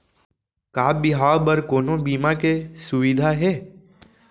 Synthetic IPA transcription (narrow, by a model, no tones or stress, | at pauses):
kaːbɪɦaːbɐɾkoːnõbiːmakesʊʋɪd̪ʱaɦɛː